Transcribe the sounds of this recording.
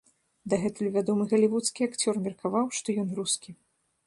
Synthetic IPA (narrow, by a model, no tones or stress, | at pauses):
d̪ɐɣɛt̪ulʲuvʲad̪ɔmɨɣɐlʲivut̪skʲiakt͡sʲɔrmʲɛrkʰavawʂt̪ɔjɔnruskʲi